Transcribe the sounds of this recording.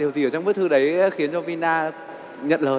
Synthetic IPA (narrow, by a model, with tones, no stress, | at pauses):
i˨˩əzi˨˧˩ə˩t͡ɕɔ˧ŋ͡mɓɨ˦˥k̚t̪ʰɨ˧ɗə˨˦jxi˨˦ənt͡ɕɔ˧vi˧naː˧ | ɲə̰˧˨nləː˨˩